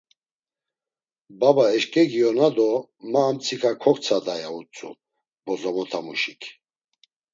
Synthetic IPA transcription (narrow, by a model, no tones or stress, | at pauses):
babaɛʃkʼɛɡiɔnad̪ɔmaːmt͡sʰikʰakʰɔkt͡sʰad̪ajaut͡sʼṵ | bɔzɔmɔt̪ʰamuʃikʰ